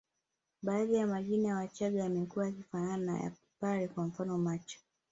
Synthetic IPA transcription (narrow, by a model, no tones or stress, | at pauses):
ɓaːðijamaʄinawat͡ʃaɠaamɛkuwajakifanana̰ja̰ | paɾɛkwam̩fanɔmat͡ʃɔ̥